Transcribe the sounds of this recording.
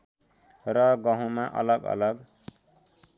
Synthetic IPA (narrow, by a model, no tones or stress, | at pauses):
rʌɡʌɦũmaʔʌ̰lʌɡʌ̰lʌɡ